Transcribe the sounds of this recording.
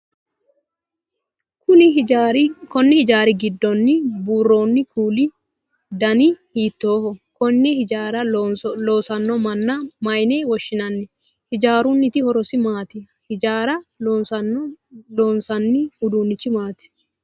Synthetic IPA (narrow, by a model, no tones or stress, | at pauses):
kʊnɪɾkɔnːɪhɪd͡ʒaːɾɪɡɪd̪ːɔnːɪbuːrːo̞ːnːɪkuːlɪ | d̪ɐnɪhiːt̪ːo̞ːhɔkɔnːɪhɪaːɾɐloːsɐnːɔmɐnːɐmɐjneːwɔʃːɪnɐnːɪ | hɪd͡ʒaːɾʊnːɪt̪ɪhɔɾɔsɪmaːt̪ɪ | hɪd͡ʒaːɾɐoːnsɐ | loːnsɐnːɪʊd̪uːnːɪt͡ʃːɪmaːt̪ɪ̥